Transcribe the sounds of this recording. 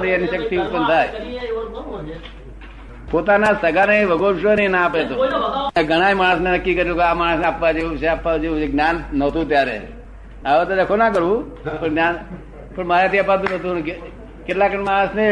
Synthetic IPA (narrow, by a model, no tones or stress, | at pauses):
ɾiəniʃəkt̪iupːənt̪ʰaːj | pot̪anasəɡaneʋəɡoːɾʃonenapet̪oeɡʱəɽ̃amaːɽəsnenəkːiːkəɾjokamaːɽ̃əsneapːad͡ʒeʋuʃeapːad͡ʒeũeɡnʲaːnːəɦt̪ũːt̪̬jaːɾḛ | aʋot̪ədekʰonakəɾũː | pəɳɡnan | pəɳmaɾat̪iapːad̪ũnət̪̬ũk | ket̪lakənmãːsne